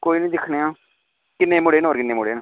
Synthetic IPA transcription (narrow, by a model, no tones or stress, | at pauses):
koːiːnĩːd̪ɪkʰneːãː | kɪnːeːmʊɽeːnoːɾkɪnːeːmʊɽeːn